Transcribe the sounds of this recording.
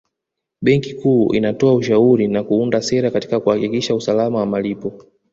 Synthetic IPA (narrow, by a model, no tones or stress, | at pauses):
ɓɛŋkikuːʔḭnatɔauʃauɾinakuundasɛɾakati̥kakuhakikiʃausalamawamalipɔ